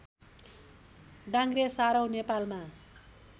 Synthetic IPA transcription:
ɖaŋɡresaɾʌwnepalma

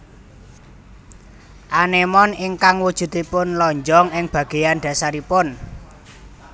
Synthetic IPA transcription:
ʔanemɔniŋkaŋwud̥ʒ̥ṳt̪ipʊnlɔɲd͡ʒɔŋɪŋb̥ä̤ɡ̥e̤janɖ̪̥ä̤saɾipʊn

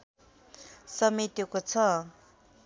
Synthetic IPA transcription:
sʌmit̪jekot͡sʰʌ

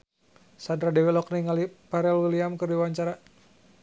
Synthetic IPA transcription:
sandɾadɛwɛlɔk̚niŋalipaɾɛlwiliamkɨrdiwaɲt͡ʃaɾa

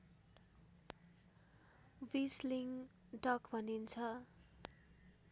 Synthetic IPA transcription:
wisliŋ | ʈʌkbʱʌnint͡sʰʌ

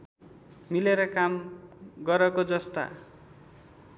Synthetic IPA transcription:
mileɾʌkamɡʌɾʌkod͡zʌst̪a̰

